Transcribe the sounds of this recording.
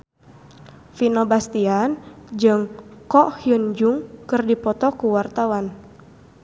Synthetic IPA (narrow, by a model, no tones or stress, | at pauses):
finɔbast̪iand͡ʒɨŋkɔʔhiənd͡ʒuŋkɨrdipɔt̪ɔkuwart̪awan